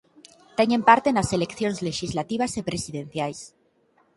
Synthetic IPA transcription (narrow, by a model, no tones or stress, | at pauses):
t̪eɲe̞mpaɾt̪e̞nase̞le̞kθjo̞nzle̞ʃizlat̪iβ̞asepɾe̞siðẽ̞n̟θjajs